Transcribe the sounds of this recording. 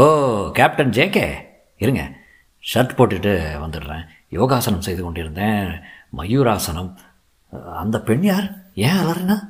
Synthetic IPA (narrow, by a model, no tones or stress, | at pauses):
oːkaːp̚ʈɐnd͡ʒeːkḛː | ɪɾɯŋɡɐ̰ | ʂɐɾʈpoːʈːɪʈːɯʋɐnd̪ɯʈɾḛ̃ː | joːɣaːsɐnɐmsɛjðɯkɔɳɖɪɾɯnd̪ẽːmɐjuːɾaːsɐnɐm | ɐnd̪ɐpɛɳjaːɾẽːɐlɐɾɪna